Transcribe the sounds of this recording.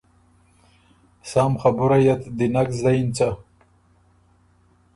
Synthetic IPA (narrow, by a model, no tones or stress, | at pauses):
saːmχabuɾajat̪d̪inakzlaint͡sa